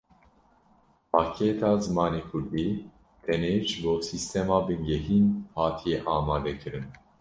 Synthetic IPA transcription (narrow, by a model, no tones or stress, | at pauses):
pʰɑːkʰeːt̪ʰɑːzɨmɑːneːkʰuɾd̪iː | t̪ʰɛneʒboːsist̪ɛmɑːbɨnɡɛɦiːnhɑːt̪ʰijɛʔɑːmɑːd̪ɛkʰɨɾɨn